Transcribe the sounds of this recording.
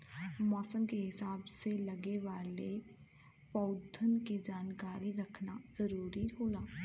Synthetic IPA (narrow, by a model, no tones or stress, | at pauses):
mɔːsə̃ŋkeɦɪsaːbselɐɡeʋaːle | pɐʊd̪ʱːənked͡ʒaːnkaːɾiɾɐkʰnaz̥ɐɾuːɾiɦoːlaː